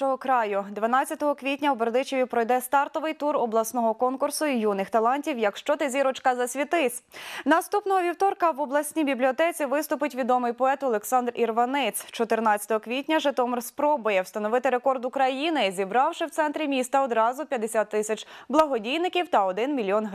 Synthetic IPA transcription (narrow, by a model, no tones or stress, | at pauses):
ɔɦɔkɾɑjʊd̪ʋɐnɑt͡sʲːɐt̪ɔɦɔkʋʲitʲnʲɐubeɾd̪ɪt͡ʃeʋʲipɾɔjd̪ɛst̪ɑrt̪ɔʋɪjt̪uɾɔblˠɐsnɔɦɔkɔnkʊrsʊijunɪxt̪ɐlˠɑnʲtʲiwjɐkʃt͡ʃɔt̪ezʲiɾɔt͡ʃkɐzɐsʲʋʲit̪ɪsʲnɐst̪upnɔɦɔʋʲiwt̪ɔrkɐwɔblˠɐsʲnʲibʲiblʲiɔt̪ɛt͡sʲiʋɪst̪ʊpɪtʲʋʲid̪ɔmɪjpɔɛt̪ɔlˠɛksɑnd̪rirʋɐnɪt͡s̪ʲt͡ʃɔt̪ɪrnɑt͡sʲɐ̥t̪ɔɦɔkʋʲitʲnʲɐʒɛt̪ɔmrspɾɔbʊjɛwst̪ɐnɔʋɪt̪ɪɾekɔrd̪ʊkɾɐjinɪzʲibɾɑwʃɪwt̪sɛnt̪ɾʲimʲist̪ɐɔd̪ɾɑzʊpʲjɐd̪esʲat̪ːɪsʲɐt͡ʃblˠɐɦɔdʲijnɪkʲiwt̪ɐɔd̪ɪnmʲilʲjɔnɦ